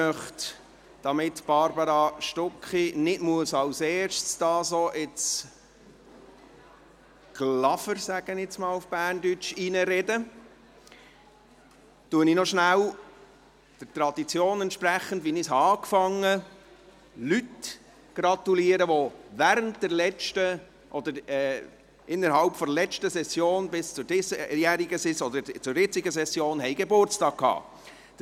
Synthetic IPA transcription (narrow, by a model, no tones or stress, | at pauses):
œχt | d̥ɑmɪtb̥ɑɾbɑɾɑʃtɔkχinɪtmuəsɑwseːrʃt͡sd̥ɑːsoʔɪt͡s | ɡ̥lɑfəɾsæɡ̥ənɪt͡smɑːlufb̥æːrndyt͡ʃinəɾɛdə | tuəninɔʃnæw | d̥əɾt̪ɾɑd̪it͡sjoːnɛntʃpɾæχən̩dʋinishɑɑːkfɑŋːə | lyt | ɡ̥ɾɑt̪uliəɾəʋovæːɾəntd̥̪ɛɾlɛt͡ʃtə | ʔɔd̪əɾɛː | ʔɪnːəɾɦɑlpfɔɾlɛt͡ʃtəsɛsːjoːnbɪst͡sʊɾɪsjæɾiɡəsɪsɔd̪əɾt͡sʊɾjɪt͡sɪɡəsɛsjoːnɦɛɪɡebʊɾt͡stɑːk̚kʰhɑ̰̥ː